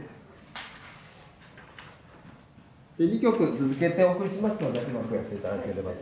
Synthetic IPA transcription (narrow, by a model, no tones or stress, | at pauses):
eɲʲikʲo̞kɯ̟t͡sɨzɨke̞t̪ẽoːkɯ̟ɾʲiɕimasɨno̞d̪eʔimakojak̪et̪aɾɯk̪eɾeba